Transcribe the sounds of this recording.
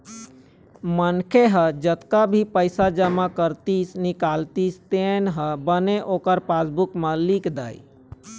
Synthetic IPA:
mənkʰeɦəd͡ʒət̪kabʱipəɪsad͡ʒəmakəɾt̪isnikalt̪ist̪enɦəbəneʔokəɾpasbukmẽlikd̪a̰ːi

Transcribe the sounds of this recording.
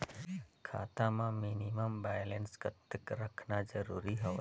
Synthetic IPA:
kʰa̰ːt̪amãminiməmbaːjlenskət̪əkɾəkʰnad͡ʒəɾuːɾiɦoʋ

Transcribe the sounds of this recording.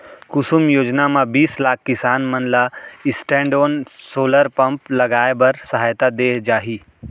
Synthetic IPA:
kʊsumjoːd͡ʒnamãbiːslaːk̚ʰkːɪsaːnmɐnlaɪsʈẽːɳɖoːnsoːləɾpɐ̃mplɐɡaːebɐɾsɐɦaːjt̪ad̪eːd͡ʒaːɦiː

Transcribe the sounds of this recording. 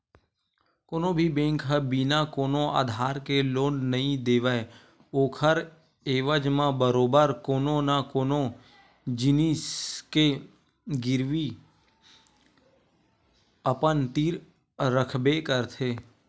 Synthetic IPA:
koːnõbʱibẽːŋkɦəbiːnakoːnõa̰ːd̪ʱaːɾkeloːnnəɦĩd̪eːʋəe | oːkʰəɾ | eːʋəd͡ʒmãbəɾoːbəɾkoːnonakoːno | d͡ʒɪniːske | ɡɪɾʋi | əpənt̪iːɾ | ɾəkʰbekəɾt̪ʰeː

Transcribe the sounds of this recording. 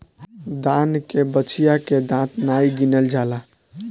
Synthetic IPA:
d̪ankebət͡ʃʰijaked̪ãt̪naiɡinəld͡ʒala

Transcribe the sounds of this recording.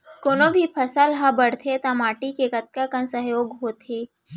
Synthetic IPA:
koːnobʱipʰɐsəlɦãbəɽ̤t̪ʰet̪amaːʈikekɐt̪̚kakə̃nsəɦjoːɡɦoːt̪ʰeː

